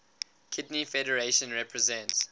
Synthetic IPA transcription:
kʰɪdnifɛɾəɹeʃə̃nɹɛpʰɹɛzɛ̃nts

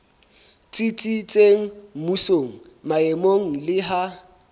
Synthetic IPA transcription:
t͡sʼit͡sʼit͡sʼeŋ̩musoŋ̩ | maemoŋ̩lɪɦa

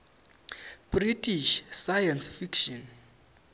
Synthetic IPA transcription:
b̥ritʰiʃsajansfikʃɔn

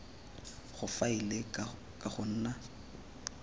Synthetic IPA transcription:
χʊfaile | kʼaχʊn̩ːna

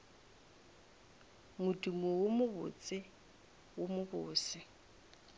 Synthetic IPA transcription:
mʊdumɔwʊmʊbʊ̰t͡sʼɪ | wʊmʊbʊːsɪ

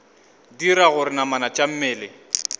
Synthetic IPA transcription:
diɾaɣʊɾɪnamanat͡ʃʼam̩mɛːlɪ

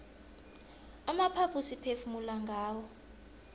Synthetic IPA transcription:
amapʰapʰusipʰefumulaŋɡʱaːwɔ

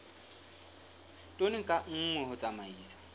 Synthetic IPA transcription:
tʼonɪkʼaŋ̩ŋwɛɦʊt͡sʼamaiːsḁ

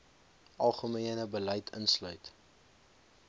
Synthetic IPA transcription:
ɐlˠχəmiənəbəlɛjtʰə̰nslœɥt

